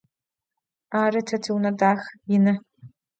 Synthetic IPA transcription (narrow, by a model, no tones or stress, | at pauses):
aːɾɨtʰɐtʰiwnɐdaːxjɪnɐ